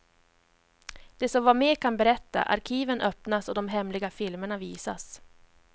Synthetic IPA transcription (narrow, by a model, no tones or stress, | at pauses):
d̪̥ɛsɔmvameːkʰanbɛɾɛt̪ːa̰ʔa̰ɾkʰiːvənʔœpnasɔd̪ɔmɦɛmlɪɡafɪlməɳaviːsas